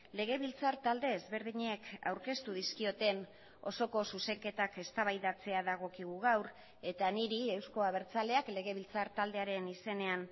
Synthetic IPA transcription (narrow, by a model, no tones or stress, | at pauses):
le̞ɣ̞e̞β̞ilt͡saɾt̪ald̪e̞ːzβe̞ɾðiɲeka̰wɾke̞st̪uðiskio̞t̪e̞n | o̞̰so̞ko̞suse̞ŋke̞t̪ake̞st̪aβajðat͡se̞aðaɣ̞o̞kiɣ̞uɣawɾ | e̞t̪aniɾie̞wsko̞aβe̞ɾt͡sale̞akle̞ɣe̞βilt͡saɾt̪ald̪e̞aɾe̞nise̞ne̞an